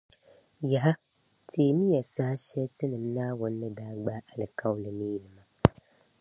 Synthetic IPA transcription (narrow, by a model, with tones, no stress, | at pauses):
ja˨ɦa˦ | tʰiː˨˦˨mi˦ja˨sa˦ha˦ʃɛ˦tɨ˦nɨ˨mnaː˦wʊ˨nː˦ɨ˦daː˦ɡ͡ba˦ʔa˨lɨ˨ka˦wʊ˦lɨ˨nɨ˦ji˨lɨ˨ma˦